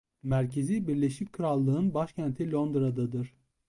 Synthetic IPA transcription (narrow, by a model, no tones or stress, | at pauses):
mæɾcʰe̞zibiɾlʲe̞ʃickʰɯɾalˠːɯɯnbaʃcʰænt̪ʰilʲo̞nd̪ɾad̪ad̪ɯɾ̥